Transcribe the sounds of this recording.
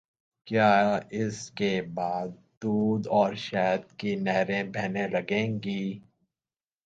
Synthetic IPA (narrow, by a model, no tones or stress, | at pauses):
kjaːɪskebaːd̪̚ | d̪uːd̪ɔːɾʃɛːd̪̚kinɛːɾẽbʱɛɦnelɐɡẽːŋɡiː